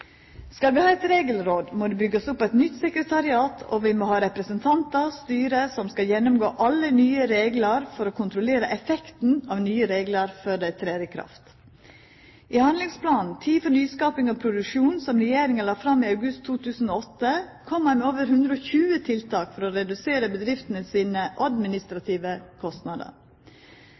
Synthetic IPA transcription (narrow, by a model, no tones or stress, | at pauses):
skɑlʋɪhɑːɛt̪ɾeːɡəlɾoːd̪moːd̪ʉːbʏɡːəsʊpːæɪt̪nʏt̪sɛkɾət̪ʰɑɾɪɑːt̪ʰɔ̰ʋɪmoːhɑːɾɛpɾəsənt̪ʰɑnt̪ɑɾst̪yːɾəsɔmskɑljɛnːʊmɡo̰ːʔɑlːənyːəɾeːɡlɑɾfɔɾoːkʰʊnt̪ɾʊleːɾəʔɛfɛkt̪n̩ɑːʋnyːəɾeːɡləɾfɔɖæɪt̪ʰɾeːɾɪkʰɾɑ̰ft̪ | ʔɪhɑnd̪lɪŋspʰlɑːnnn̩t̪ʰiːfɔnyːskɑːpɪŋɔpʰɾʊd̪ʉkʂuːnsɔmɾɛjeːɾɪŋəlɑːfɾɑmːɪɑʉɡʉst̪ʰːuːt̪ʰʉːsn̩oːɔt̪ːəkʰɔmːæɪmɛoːʋəɾɦʉnd̪ɾəoːçʉːət̪ʰɪlt̪ʰɑːkfɔɾɔɾɛd̪ʉseːɾəbəd̪ɾɪft̪ənəsiːnəʔɑd̪mɪnɪst̪ɾɑt̪ʰiːʋəkʰɔst̪nɑd̪ə̰ɾ